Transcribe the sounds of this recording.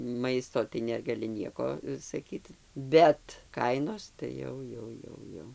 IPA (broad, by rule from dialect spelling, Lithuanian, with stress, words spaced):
ˈmɐɪstoː tɐɪ nʲɛɡɐˈlʲɪ ˈnʲiɛkoː sɐˈkʲiːt bʲɛt ˈkɐɪnoːs tɐɪ ˈjɛʊ ˈjɛʊ ˈjɛʊ ˈjɛʊ